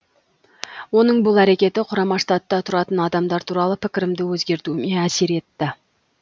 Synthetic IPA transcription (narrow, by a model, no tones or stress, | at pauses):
wo̞nəɴbʊlˠæɾe̞kʲe̞t̪ɪqʰʊɾɑmɑʂt̪ɑt̪ːɑt̪ʰʊɾɑt̪ənɑd̪ɑmd̪ɑɾt̪ʰuɾɑlˠəpʰɪkʲɪɾɪmd̪ɪwɵzɡʲe̞ɾt̪uɪmeæse̞ɾe̞t̪ːɪ